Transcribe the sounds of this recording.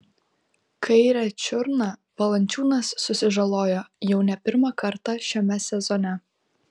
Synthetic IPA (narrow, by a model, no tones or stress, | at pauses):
kʰɐɪɾʲɛt͡ʃʲʊɾnɐʋɐlˠɐnʲt͡ʃʲuːnɐsːʊsʲɪʒɐlˠoːjoːjɛʊnʲɛpʲɪɾmɑkɐɾt̪ɑˑʃʲɛmʲɛsʲɛzɔnʲɛ